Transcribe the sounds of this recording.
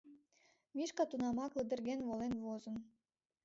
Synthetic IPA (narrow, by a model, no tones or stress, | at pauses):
mʲiʃkɑt̪unɑmɑkləd̪ə̆rɣʲenvolenβozə̆n